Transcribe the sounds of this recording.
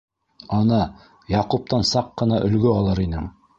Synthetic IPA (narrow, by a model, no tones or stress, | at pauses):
ɑnɤ | jɑqup̚t̪ɑnsɑqːɤ̆nɑʔɵ̆lɡɵɑlˠɤɾinɘŋ